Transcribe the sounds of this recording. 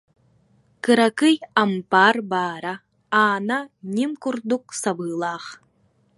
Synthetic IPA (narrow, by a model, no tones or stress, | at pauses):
kɨɾɐkɨjɐmpaːrbaːɾɐ | aːnɐnʲimkurd̪uk̚sɐbɯːlˠɑːχ